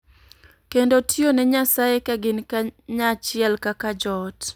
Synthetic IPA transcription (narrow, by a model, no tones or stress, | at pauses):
kendotʰjonɛɲasajekaɡɪnkaɲat͡ʃɪɛlkakad͡ʒɔt